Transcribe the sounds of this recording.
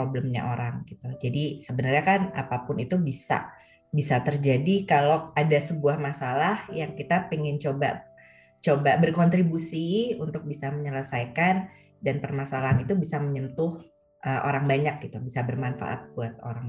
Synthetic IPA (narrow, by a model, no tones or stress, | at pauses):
ɾobləmɲa̰ʔoɾaŋɡit̪ud͡ʒadisəbənərɲakana̰papʊnit̪ubisa̰ | bisat̪ərd͡ʒadikaloadasəbuahmasalahjaŋkit̪apiŋɪnt͡ʃoba̰ | t͡ʃobabərkɔnt̪ɾibusiunt̪ʊk̚bisaməɲələsajkan | danpərmasalaɦanit̪ubisaməɲənt̪ʊh | ʔəʔo̰ɾaŋbaɲak̚ɡ̥it̪ubisabərmanfa̰ʔa̰t̪̚buat̪̚o̰ɾaŋ